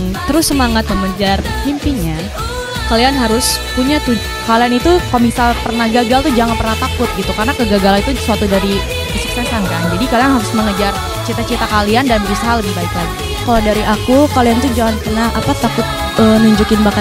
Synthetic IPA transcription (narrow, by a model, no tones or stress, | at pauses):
t̪əɾʊsːəmaŋat̪̚məməd͡ʒar | himpiɲa | kalianɦaɾʊspuɲat̪u | kalianit̪ukmisalpərnahɡaɡalt̪ud͡ʒaŋanpərnaht̪akʊt̪̚ɡit̪ukarnakəɡaɡalanit̪usuat̪udaɾi | kəsu̥k̚sɛsankand͡ʒadikalianɦaɾʊsməŋəd͡ʒar | t͡ʃit̪at͡ʃit̪akaliandanbəbisaɦaləbibaikan | kaladaɾiʔakukaliant̪ud͡ʒaŋanpərnahʔapat̪akʊt̪̚ | ənuɲd͡ʒukɪnbaka